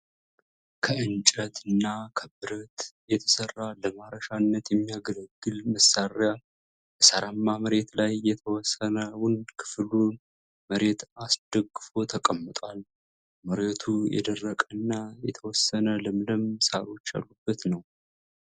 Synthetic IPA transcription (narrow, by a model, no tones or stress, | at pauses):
kʰəɨnt͡ʃʼət̪ɨnːakʰəbɨɾət̪jɛt̪ʰə̥sərːaləmaɾəʃanːət̪jɛmːijaɡələɡːɨlməsarja | bəsaɾamːaməɾe̞t̪lajːɛt̪ʰəwɔsːənəwʊnkʰɨ̥flu | məɾe̞t̪asd̪̥əɡːɨfo̞t̪ʰəkʼəmːət̪ʼal | məɾet̪ʰujɛ̰d̪ərːəkʼənːajɛt̪ʰəwɔsːənəlɨmləmsaɾo̞t͡ʃːja̰lːubːət̪nəw